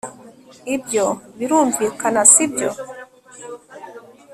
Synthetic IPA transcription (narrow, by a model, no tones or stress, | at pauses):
ibjoβiɾuːndikanasibjo̰